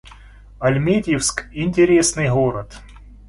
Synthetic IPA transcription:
ɐlʲmʲedʲɪfskinʲtʲɪɾʲesnɨjɣoɾət̪

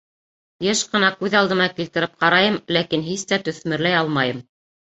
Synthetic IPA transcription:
jeʃqɤ̆nɑkʉðɑlˠd̪ɤ̆mɑkilt̪ɘ̆ɾɘp̚qɑɾɑjɤmlækinɦist̪æt̪ɵ̆θmɘ̆ɾlæjɑlˠmɑjɤm

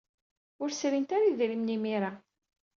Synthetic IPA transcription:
ʊɾsɾint̪aɾiðɾimnimiɾa

